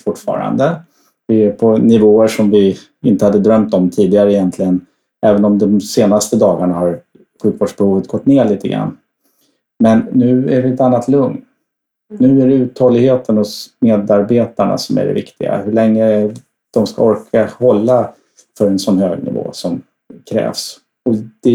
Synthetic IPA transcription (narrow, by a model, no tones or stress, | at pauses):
fʊʈːfɑ̰ːɾa̰nd̪ə | vɪɛpʰɔnɪvoːəʂɔmvɪ | ɪnt̪əhad̪ːəd̪ɾœmt̪ɔmt̪ʰiːd̪ɪɡaɾəɪjɛnt̪ʰlɪɡən | ɛːvənɔmd̪ɔmseːnast̪əd̪ɑːɡaɳahaɾ | ɧʉ̟ːkvoːɖʂbɛhuːvət̪̚ɡ̥ɔt̪ːneːɭiːt̪ʰəɡɾa̰nː | mɛnːʉ̟ːæɖɪɛt̪anːat̪lɵŋnː | ʉ̟ːæɖɛʉ̟ːt̪hɔlːɪɡheːt̪ʰənɔsmeːd̪aɾbeːt̪aɳa̰sɔmæ̰ɖɛ̰vɪ̰kt̪ɪɡa̰hɵɭɛŋːɾə | d̪̥ɔmska̰ɔɾkʰahɔlːa | fœɾɛnsɔnhøːɡnɪ̰vo̰ːsɔm | kʰɾɛ̰ːvs | ɔd̪̥ɛ